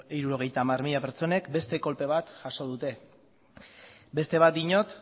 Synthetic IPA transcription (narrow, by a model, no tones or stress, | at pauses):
iɾuɾo̞ɣ̞e̞jt̪aːmarmiʎapeɾt͡so̞ne̞kbe̞st̪e̞ko̞lpe̞β̞at̪ʝaso̞ð̞ut̪e̞ | be̞st̪e̞βat̪̚ɡiɲo̞t̪